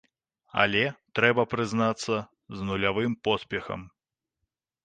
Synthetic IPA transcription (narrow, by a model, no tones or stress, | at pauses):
a̰lʲɛt̪ɾɛbɐpɾɨznat̪sːɐ | znulʲavɨmpɔsʲpʲɛxɐ̰m